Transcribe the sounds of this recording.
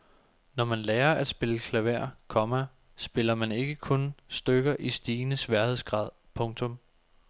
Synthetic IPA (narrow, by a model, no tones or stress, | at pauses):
nɒmænlɛːɐʔæd̥sb̥e̝ləkʰlæʋæɐ̰kʰɒ̽mæ | sb̥e̝lɐmæne̝ɡ̥əkʰɔ̽nsd̥øɡ̥ɐʔisd̥iːnəsʋæɐhe̝ð̰ˠsɡ̥ʁɑ̰̈ːð̞̰ˠpʰɔ̽ŋt͡sʰɔ̽m